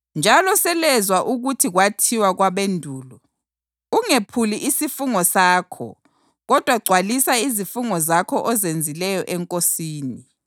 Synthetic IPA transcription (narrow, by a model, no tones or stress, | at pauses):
nd͡ʒʱalɔsɛlɛzwaʔuɣutʰiɣwatʰiwaɣwaβendʱuːlɔ | uŋepʰuliʔisifuŋɔsaːkʰɔ̰ | ɣɔd̥ʱwaɡ͡ǀʱwalisaizifuŋɔzakʰɔʔɔzend͡zʱilɛjɔʔɛŋkʼosiːni